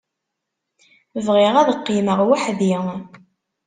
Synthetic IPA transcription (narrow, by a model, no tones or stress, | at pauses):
vʁɪʁæðəqːiməʁwaħði